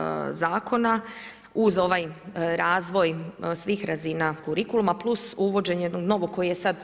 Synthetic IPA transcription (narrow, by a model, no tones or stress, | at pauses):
zaːkʰo̞na | uzo̞ʋajɾaːzʋo̞jsʋiːxɾazinakuɾikulumaplˠusuʋo̞d͡ʑe̞ɲjed̪noɡno̞ʋoko̞jijesad̪